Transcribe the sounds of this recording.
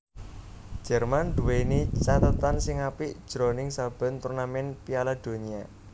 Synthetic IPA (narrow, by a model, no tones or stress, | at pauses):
d̥ʒ̥ɛ̤rmand̪̥uwenit͡ʃat̪ət̪ansɪŋapɪʔd̥ʒ̥ɾo̤nɪŋsab̥ə̤nt̪urnamɛnpialad̪̥o̤nia